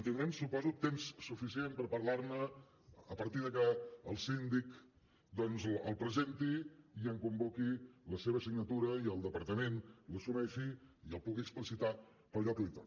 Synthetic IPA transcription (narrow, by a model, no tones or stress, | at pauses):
ənt̪ind̪ɾɛmsupɔzut̪ːemsːufisiempəɾpəɾlaɾnə | əpəɾt̪iðəkəəlˠsind̪ik | d̪ɔnzəlˠpɾəzent̪iiəŋkumbokiləseβ̞əsiɡnət̪uɾəiəlˠd̪əpəɾt̪əmenləsumɛʃiiəlˠpuɣiəksplisit̪a | pəɾʎɔkit̪a̰